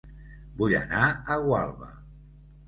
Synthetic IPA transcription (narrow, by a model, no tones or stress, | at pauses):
buʎa̰naəɣwalˠβə̰